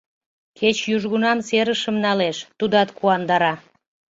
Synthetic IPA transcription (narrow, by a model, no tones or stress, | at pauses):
kʰet͡ɕjuʒɣunɑmseɾəʃəmnɑleʃt̪ud̪ɑt̪kuɑnd̪ɑɾɑ